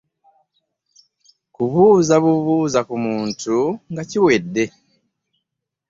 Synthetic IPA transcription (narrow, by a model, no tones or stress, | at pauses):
kuβuːzaβuβuːzakumuːntʰuŋɡaciwedːe̞